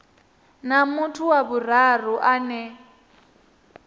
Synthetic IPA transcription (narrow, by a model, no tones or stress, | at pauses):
namutʰuwaβur̤aruʔanɛ